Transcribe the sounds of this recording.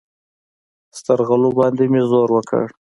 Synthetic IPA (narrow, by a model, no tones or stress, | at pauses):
st̪aɾɣalobɑnd̪emezoɾwəkʰə̰ɽ